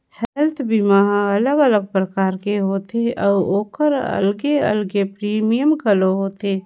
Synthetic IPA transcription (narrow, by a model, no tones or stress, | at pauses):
hɛlt̪ʰbimaːɦaɐləɡələɡ̚pɾɐkaːɾkeɦoːt̪eʔɔːɾoːkəɾə̰lɡeɐ̰lɡepɾiːmijəmkɐloɦoːt̪eː